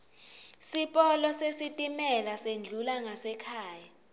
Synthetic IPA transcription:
sipʼɔlɔsesitʼimɛlasend͡ɮʱulaŋasɛkʰaːja

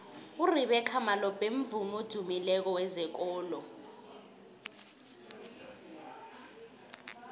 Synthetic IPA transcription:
uriɓɛkʰamalɔb̥ʱʼeɱ̩vumod̥ʱumilɛk̬ɔwɛzɛk̬ɔːlɔ

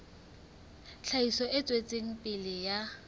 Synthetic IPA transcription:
ɬʰaisɔʔɪt͡sʼwet͡sʼeŋ̩pʼɪlɪja

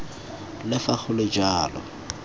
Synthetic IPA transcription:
lɪfaχʊlɪd͡ʒaːlɔ̰

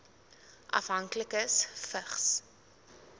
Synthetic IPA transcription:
ʔɐ̰fɦɐŋkləkəsfəχs

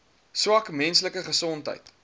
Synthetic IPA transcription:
swɐkmɛnsləkəχəsɔntɦə̰jt

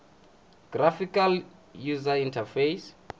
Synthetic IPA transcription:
ɡ̥rafikal | juzaĩntʰafejs

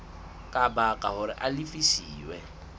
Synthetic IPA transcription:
kʼabakʼaɦʊɾɪʔalifisiːwɛ

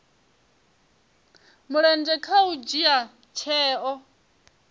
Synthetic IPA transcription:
muɺɛnd͡ʒɛkʰaud͡ʒia | t͡ʃʰɛːɔ

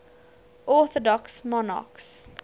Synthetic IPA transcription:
ʔɔθɔdɔksmɔnɑ̰ks

